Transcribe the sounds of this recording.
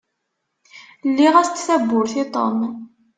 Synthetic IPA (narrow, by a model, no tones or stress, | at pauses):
lːiʁæst͡s̪ːθæbːʊɾθit̪ˤo̰m